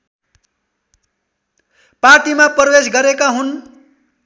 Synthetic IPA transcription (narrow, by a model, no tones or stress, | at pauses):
parʈimapʌrʌwesɡʌɾekaɦun